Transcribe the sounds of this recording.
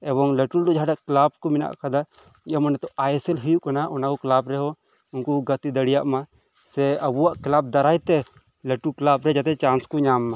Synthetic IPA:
ɛβɔŋleʈuld̪ud͡ʒɦaɖaʔklab̚kɔmina̰ʔkad̪a | ɛmɔnɛt̪ɔʔajɛsɛlɦujuʔkanaʔɔnakɔklabɾɛɦɔ | unkuɡət̪id̪əɽijaʔma | sɛəbuwaʔklab̚d̪aɾajt̪ɛ | leʈuklabɾɛd͡ʒat̪ɛt͡ʃanskuɲamːa

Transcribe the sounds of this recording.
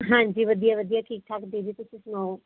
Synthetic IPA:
ɦãːɲd͡ʒiːʋəd̪ijaʋəd̪ijaːʈʰiːk̚ʈʰaːkd̪eːɾiːt̪ʊsĩsʊnɔː

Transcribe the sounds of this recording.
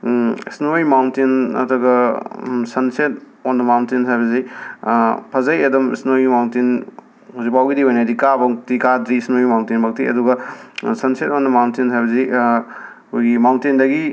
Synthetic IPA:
isnojmawntinɐ̰dɐɡɐ | sɐnset̚ | ondɐmawntintʰajβɐzi | pʰɐzɐjɐdɐmḭsnojimawntin | huzik̚pawɡidiojnajdikabaktikadɾiːsnojmawntinbɐk̚tiɐ̰duɡɐsɐnset̚ondɐmawntinʰajβɐzi | kʰojɡimawntindɐɡi

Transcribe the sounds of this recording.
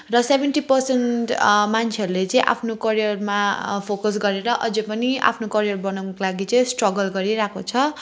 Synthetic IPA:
rʌsebʱenʈipʌrsenʈmant͡sʰeʌɾulet͡sʌ̃ĩʔa̰pʰnokʌɾijʌrmapʰokʌs̬ɡʌɾeɾʌʔʌ̰d͡zepʌnia̰pʰnokʌɾijʌrbʌnawnʌkolaɡit͡sʌĩsʈrʌɡʌlɡʌɾiɾakot͡sʰʌ

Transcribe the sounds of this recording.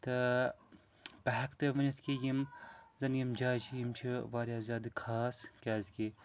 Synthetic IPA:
t̪ɨ | bɐɦɐkt̪ɨʋɐniskijimzɐnjimd͡ʒaːt͡ʃʰijimt͡ʃʰiʋaːɾjaːzʲaːd̪ɨkʰaːskʲaːzki

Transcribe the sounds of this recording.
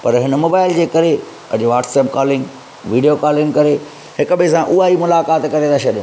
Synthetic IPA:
pɐɾɦɪnmoːbaːɪld͡ʑeːkɐɾe | ɐ̰d͡ʑʋaːʈsɛːpkaːlɪ̃ŋɡ | ʋiːɖijokaːlɪ̃ŋɡkɐɾe | hɪkʊɓɪsãʔʊaːimʊlaːkaːt̪kɐɾed̪aʃʰɐɗɪ

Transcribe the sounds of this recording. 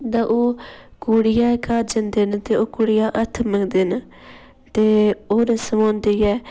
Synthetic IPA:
d̪aʔoːkuːɽɪjaːkaːd͡ʒənd̪eːnt̪eːoːkuɽɪjaːʔət̪ʰməŋd̪eːn | t̪eːoːɾeːsəmãːnd̪ejɛː

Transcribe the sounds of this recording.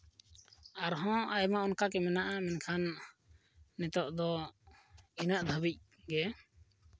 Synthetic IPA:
aɾɦɔ̃ajmaɔnkak̬ɛmɛnaʔamɛnkʰanː | ɛt̪ɔʔd̪ɔ | inaʔd̪ʱəbic̚ | ɡɛ

